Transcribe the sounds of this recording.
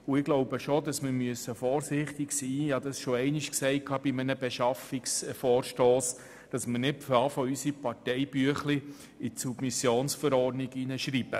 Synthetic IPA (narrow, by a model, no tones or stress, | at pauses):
ʊɪɡ̥loʊbəʃod̪ɑsmɪɾmyəsːəfɔːɾsɪχt̪ɪksiːɪhɑd̪ɑsʃoɛɪnɪʃksɛɪkʰɑb̥imənəbeʃɑfiksfɔːrʃtoːs | d̥ɑsmənɪtfɑfɔysipɑɾtɛɪbyəχli | isub̥misjoːnsfəɾɔrdniɡinəʃɾiːb̥ə